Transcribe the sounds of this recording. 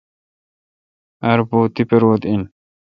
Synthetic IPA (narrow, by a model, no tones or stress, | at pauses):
ʔɐɾbuːt̪ːɪpɛɾwɔt̪ɪn